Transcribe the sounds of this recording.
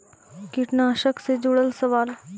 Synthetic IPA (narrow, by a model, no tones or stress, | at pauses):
kiʈnaʃəksed͡ʑoɽəlsəʋaːl